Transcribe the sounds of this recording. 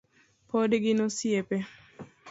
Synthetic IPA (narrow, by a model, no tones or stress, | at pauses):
pʰodɡɪnosjepe